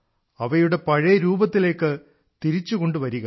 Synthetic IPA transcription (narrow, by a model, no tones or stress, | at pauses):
ɐʋɐjuɽe̞pɐɻɐjɐɾuːbɐt̪ːile̞ːkːɨ | t̪iɾit͡ɕːuko̞ɳɖɨʋɐɾuɣɐ